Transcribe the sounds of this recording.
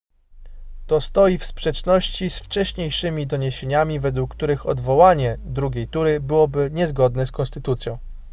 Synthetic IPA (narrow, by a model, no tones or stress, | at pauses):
t̪ɔst̪ɔjifspʂɛt͡ʂnɔɕt͡ɕisft͡ʂɛɕɲejʂɘmʲid̪ɔɲeɕeɲamʲivɛd̪wukːt̪uɾɘxɔ̰d̪vɔwaɲɛd̪ɾuɡʲejt̪uɾɘbɘwɔbɘɲɛzɡɔd̪nɛskɔnst̪ɘt̪ut̪sʲjɔ̃w̃